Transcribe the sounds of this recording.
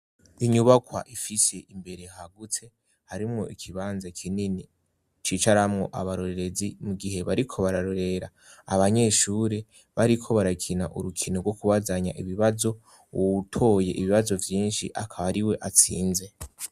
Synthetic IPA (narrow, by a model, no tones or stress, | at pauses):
iɲuβakwa̰ʔifise̞ʔimbe̞ɾe̞haɡut͡se̞ | haɾimŋo̞ʔikʰiβaːnzakʰinini | t͡ʃit͡ʃaɾamŋo̞̰ʔaβaɾo̞ɾeɾe̞zimuɡiɦe̞βaɾikʰo̞βaɾaɾo̞ɾe̞ɾa | aβaɲe̞ːʃuːɾe̞ | βaɾikʰo̞βaɾakʰina̰ʔuɾukʰinoɡwo̞kuβazaɲaʔiβiβazo̞ | wutʰo̞je̞̰ʔiβiβazo̞vjiːnʃḭʔakʰaβaɾiwe̞ʔat͡sḭːnze̞